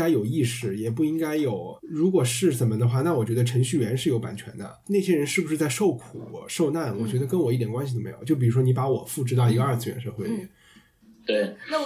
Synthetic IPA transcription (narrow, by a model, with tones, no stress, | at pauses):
a˥ɪjo˨˩ʊi˥˩ʂɻ̩˥˩jɛ˨˩p̬u˥˩i˥ŋka˥ɪjo˨˩˦ʊɻu˧˥kwɔ˨˩ʂɻ̩˥˩ʂə˨˩nmə˧d̪ə˧xwa˥˧na˥˩wɔ˨˩t͡ɕɥɛ˧˥ə˧ʈ͡ʂʰə˧˥ŋɕy˥˩ɥɛ˧˥nʂɻ̩˥˩jo˧˥ʊpa̰˨˩nt͡ɕʰɥɛ̰˧˥nd̪ə̰˧ne˥˩ɪɕjɛ˥ɻə˧˥nʂɻ̩˥˩bu˩ʂɻ̩˥˧t͡sa˥˧ɪʂo˥˩ʊkʰu˨˩ʂo˥˧ʊna˥˩nwɔ˨˩t͡ɕɥɛ˧˥d̪ə˧kə˥nwɔ˨˩i˥˩t̪jɛ˨˩ŋkwa˥nɕi˩o˥˩me˧˥j̰t͡ɕjo˥˩i˨˩ɻu˥ʂwɔ˥ni˧˥pa˧˥wɔ̰˨˩˦fu˥˩ʈ͡ʂɻ̩˥ɑ˥˩ʊi˧˥ɡə˧ɐ˞˥˧˩t͡sʰɹ̩˥˩ɥɛ̰˧˥nʂɤ˥˧xwe˥˩ɪy̰˥˩ | t̪we˥˩ɪ